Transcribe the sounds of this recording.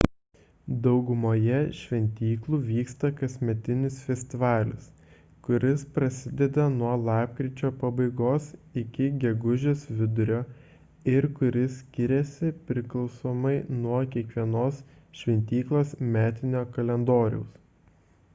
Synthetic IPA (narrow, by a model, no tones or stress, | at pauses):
d̪ɒʊɡʊmoːjɛʃʲʋʲɛnʲt̪ʲiːklˠuːʋʲiːkst̪ɐkɐsʲmʲɛt̪ʲɪnʲɪsfʲɛsʲt̪ʲɪʋɑːlʲɪ̰s | kʊɾʲɪspɾɐsʲɪd̪ʲɛd̪ɐnuɔlˠɑːp̚kɾʲɪt͡ʃʲoːpɐbɐɪɡoːsɪkʲɪɡʲɛɡʊʒʲeːsʋʲɪd̪ʊɾʲoː | ɪɾkʊɾʲɪsʲkʲɪɾʲɛsʲɪpʲɾʲɪklˠɒʊsoːmɐɪnuɔkʲiɛkʋʲiɛnoːs | ʃʲʋʲɛnʲt̪ʲiːklˠoːsmʲæːt̪ʲɪnʲoːkɐlʲɛnd̪oːɾʲɛ̰ʊs